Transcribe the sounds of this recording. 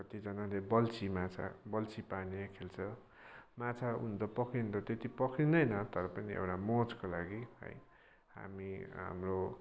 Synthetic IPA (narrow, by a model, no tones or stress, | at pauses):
kʌt̪id͡zʌnalebʌlt͡sʰimat͡sʰa̰bʌlt͡sipanekʰelt͡sʰʌ | mãt͡sʰaṵnt͡sʌpʌkʰint̪ʌt̪et̪ipʌkʰindʌjnʌt̪ʌɾʌpʌniʔḛwʈamod͡zkolaɡiɦʌ̰j | ɦa̰miɦa̰mro